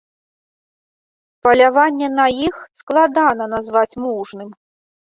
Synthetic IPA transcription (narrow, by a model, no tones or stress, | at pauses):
pɐlʲavanʲːɛnɐjixsklˠad̪anɐnazvat͡sʲmuʐnɨm